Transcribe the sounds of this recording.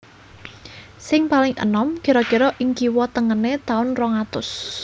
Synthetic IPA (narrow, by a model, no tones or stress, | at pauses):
sɪŋpalɪŋʔə̰nɔmɡ̥ə̤ɾɔ̥ɡ̥ə̤ɾɔʔɪŋkiwɔt̪əŋənet̪aʊnrɔŋat̪ʊs